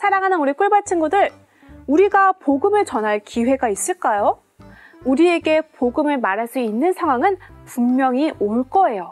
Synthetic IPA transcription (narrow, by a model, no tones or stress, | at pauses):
sʰaɾaŋɦanɯnuɾik͈uɭbat͡ɕʰinɡudɯɾ | uɾiɡapoɡɯmɯɭt͡ɕʌnɦaɭkiwe̞ɡais͈ɯɭk͈ajo | uɾie̞ɡe̞poɡɯmɯɭmaɾaɭs͈uinːɯnsʰaŋɦwaŋɯnpuŋmjʌŋioɭk͈ʌe̞jo